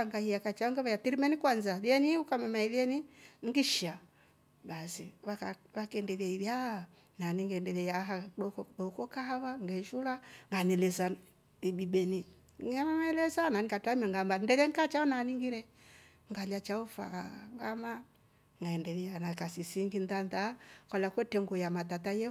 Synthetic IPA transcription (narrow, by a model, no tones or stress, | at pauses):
aŋɡahijakat͡ʃaɔŋɡɛβajatiɾimɛnikwanzaliɛniukamɛmaɛliɛniŋɡiʃa | basiβaaβakɛndɛβiaiβja | naniŋɡɛndɛlɛjaɦaɔkɔɗɔkɔkaaβaŋɡɛʃulaŋɡanɛlɛsa | ibiɓɛni | amamaɛlɛsananikatamiaŋɡambandɛɾɛŋkat͡ʃaɔnaniŋɡiɾɛ | ŋɡalat͡ʃaufa̰ŋɡama | ŋɡaɛndɛlianakasisiŋɡindandakalakwɛtɛŋɡɔjamatatajɛ